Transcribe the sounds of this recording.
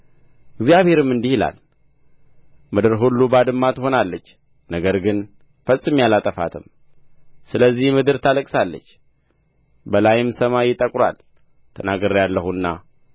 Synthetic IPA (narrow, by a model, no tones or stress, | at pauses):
ɨɡzijaβhe̞ɾɨmːɨnd̪ihila̰l | mɨd̪ɨɾɦulːubad̪ɨmːat̪ɨho̞nalːət͡ʃː | nəɡəɾɡɨn | fəsʼːɨmjalat̪ʼəfa̰t̪ʰɨm | sɨləzːihmɨd̪ɨɾt̪ʰaləkʼsalːə̰t͡ʃː | bəlajɪmsəmajɪt̪ʼəkʼɾa̰l | t̪ʰənaɡəɾjalːəhuɨnːa̰